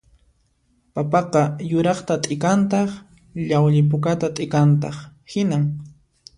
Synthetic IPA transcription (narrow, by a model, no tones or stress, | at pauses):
papɑqɑjʊɾɑχt̪at̪ʼɪkant̪ɑχ | ʎawʎɪp̬ʊkat̪at̪ʼɪkant̪̬ɑχhɪnaŋ